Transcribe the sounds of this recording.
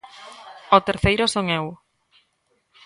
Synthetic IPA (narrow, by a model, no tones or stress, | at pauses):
ot̪eɾθejɾʊsoŋew